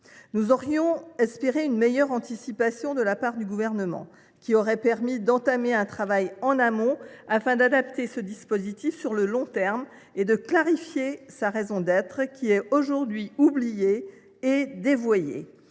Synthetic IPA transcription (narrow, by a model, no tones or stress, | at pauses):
nuzɔʁjɔ̃ɛspeʁeynmejœʁɑ̃t̪isipasjɔ̃d̪əlapaʁd̪yɡuvɛʁnəmɑ̰̃ | kʲiɔʁɛpɛʁmid̪ɑ̃t̪ameɛ̃t̪χavajɑ̃namɔ̃afɛ̃d̪ad̪apt̪esəd̪ispozit̪ifsyʁləlɔ̃t̪ɛʁm | ed̪əklaʁifjesaʁezɔ̃d̪ɛt̪χkʲʰiɛoʒuʁd̪ɥiublijeː | d̪evwajḛ